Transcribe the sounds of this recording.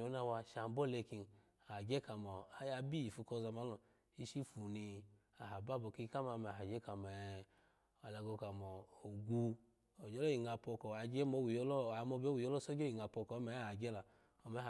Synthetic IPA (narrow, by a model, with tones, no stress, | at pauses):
o˨˦na˧wa˧ʃa˨m˨˦bɔ˦le˧ki˧n˨ | a˨a˨d͡ʒɛ˦ka˨mɔ˨a˦ja˧bi˦ji˨fu˧kɔ˧˨za˧ma˨˦lɔ˧˨ | i˧ʃi˦fu˨ni˧ | a˨ɦa˨ba˦˨bɔ˧ki˧˦˧ka˦ma˧mɛ˧˨ɦa˨d͡ʒɛ˦ka˨mɛ˨ | a˨la˧ɡo˧ka˨mɔː˨ɡu˧ | o˨d͡ʒɔ˦lɔ˦ji˨ŋa˧pɔ˧kɔ˨a˨d͡ʒɛ˦mo˧˦wi˨jɔ˧˦lɔ˦a˨˦mɔ˧bo˦wi˨jɔ˦lɔ˦so˦d͡ʒo˦i˨ŋa˨pɔ˧kɔ˨˦mɛ˨˦˨a˨d͡ʒɛ˦la˨ | ɔ˧mɛ˨˦˨